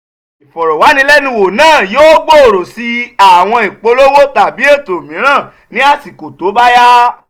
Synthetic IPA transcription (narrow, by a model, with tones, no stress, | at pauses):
i˨fɔ˨ɾɔ˨wa˨˦nĩ˧˦lɛ˦nĩ˧wo˨nãː˦˨joː˦ɡ͡bo˦˨ɾo˨si˧˦a˨w̃ɔ̃˧i˨k͡po˧˦lo˦wo˦ta˨bi˨˦e˦˨to˨mĩ˨˦ɾ̃ãː˦˨ | nĩ˨˦a˦˨si˨ko˨to˨˦ba˦ja˦